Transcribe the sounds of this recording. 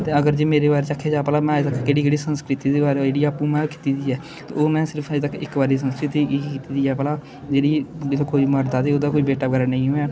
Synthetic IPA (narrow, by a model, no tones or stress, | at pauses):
t̪eːəɡəɾd͡ʒeːmeːɾeːbaːɾeːt͡ʃakʰeːd͡ʒaːpəlaːmɛ̃ːd͡ʒt̪əkkeːɽiːkeːɽiːsənskɾɪt̪iːd̪eːbaːɾed͡ʒeːɽiːaːpːũːmɛ̃ːki̥ːt̪iːd̪iːɛː | t̪ḛːoːmɛ̃ːsɪɾəpʰəd͡ʒt̪əkːɪ̰kbaːɾiːs̬ənskɾɪt̪iːkiːt̪iːd̪iːɛːpəlaː | d͡ʒeːɽiːelkoːiːməɾd̪aːd̪eːoːd̪aːkoiːbeːʈaːkəɾənə̃ĩːɦoɛː